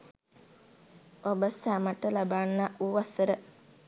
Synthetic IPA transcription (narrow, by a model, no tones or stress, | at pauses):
obəsæmaʈəlabaːnːaʔuʋasəɾə